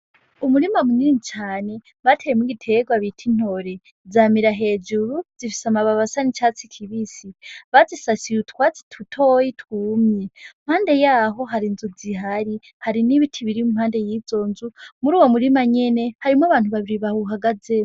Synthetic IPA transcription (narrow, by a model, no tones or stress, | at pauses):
umuɾimamuniinit͡ʃaːne̞ | βatʰejemuɡitʰe̞ɡwaβitʰin̥o̞ɾe̞ | zamiɾaɦe̞ːd͡ʒuɾud͡zifi̥samaβaβasanit͡ʃat͡sikʰiβisiβazisasijutkwat͡si̥tʰutʰojitwuːmjem̥haːnde̞jaːɦo̞ɦaɾinzuziɦaɾi | haɾiniβitʰiβiɾimumhaːnde̞jiːzo̞ːnzumuɾuːwomuɾimaɲe̞ne̞haɾimwaβaːn̥uβaβiɾiβahuɦaɡad͡ze